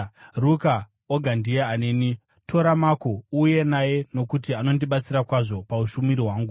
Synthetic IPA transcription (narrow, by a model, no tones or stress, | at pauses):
ruka | oɡʱandijeane̞ːni | tʰo̞ɾamako̞uje̞naje̞no̞kutiano̞ndiɓat͡sirakwaʐo̞pauʃumiɾiɦwaːŋɡu